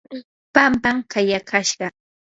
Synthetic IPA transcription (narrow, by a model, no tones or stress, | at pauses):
pampamkʰajakʰaʃɢɑ